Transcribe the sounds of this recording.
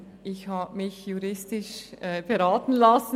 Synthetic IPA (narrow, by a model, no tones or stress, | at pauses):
ʔɪçhaːbmɪçjuɾɪstɪʃɛb̥eʁaːtn̩lasn